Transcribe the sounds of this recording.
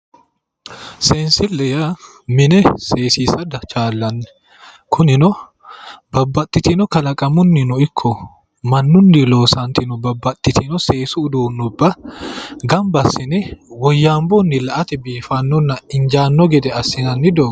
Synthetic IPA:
sɛnsɪlːɛja | mɪnɛse̞ːsiːsɐd̪ɐt͡ʃaːlːɐnːɛ̥ | kʰʊnɪnɔ | bɐbːɐt̪ʼːɪt̪ɪnɔkɐlɐkʼɐmʊnːɪnɔɪkʰːɔ | mɐnːʊnːɪlo̞ːsɐnt̪ʰɪnʊbɐbːɐt̪ʼːɪt̪ʰɪnɔse̞ːsʊːd̪uːnːʊbːɐ | ɡɐmbɐsɪnɛwɔjːaːmbɔnːɪlɐʔɐt̪ɛbiːfɐnːɔnːɐɪɲd͡ʒaːnːɔɡɛd̪ɛɐsːɪnɐnːɪd̪oː

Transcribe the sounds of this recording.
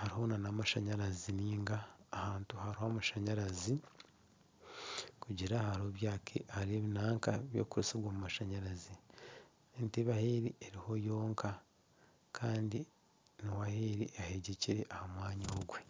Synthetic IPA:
haɾiho̞nanaːmaʃaɲaɾaziniːŋɡaːhaːntuhaɾihamaʃaɲaɾazi | kuɟiɾahaɾoβjaːkʰḛʔaɾieːβinaːŋkaβjo̰ːkuɾusiβwoːmumaʃaɲaɾazi | enteβaheɾieɾiho̞jo̞ːŋkʰa | kʰaːndi | nowaheɾiʔaheɟeciɾe̞ʔahamwaːɲoːɡwe

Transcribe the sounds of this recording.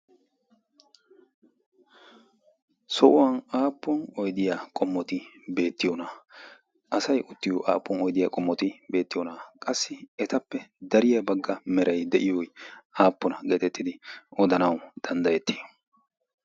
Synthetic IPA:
sɔʔʊwɐnaːpːɔnɔjd̪ɪjakʼɔmːɔt̪ɪbe̞ːt̪ːɪjɔnɐ | ʔɐsɐjʔʊt̪ːɪjɔʔa̰ːpːɔnɔjd̪ɪjaːkʼɔmːɔt̪ɪbe̞ːt̪ːɪjɔnaːkʼɐsːɪɛt̪ɐpːɛd̪ɐɾɪjɐbɐɡːɐmɛɾʔɐjd̪ɛʔɪjɔjaːpːɔnɐɡeːt̪ɛt̪ːɪd̪ɪɔd̪ɐnɐwd̪̥ɐnd̪ɐjɛt̪ːɪj

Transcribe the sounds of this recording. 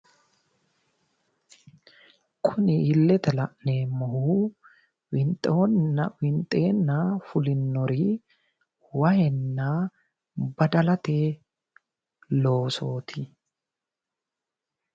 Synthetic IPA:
kʰʊnɪɪlːɛt̪ɛlɐ̰ʔne̞ːmːɔhuː | wɪnt̪ʼonwɪnt̪ʼe̞ːnːafʊlɪnːɔɾiː | wɐhɛnːaː | bɐd̪ɐlɐt̪eː | lo̞ːso̞ːt̪ʰɪ

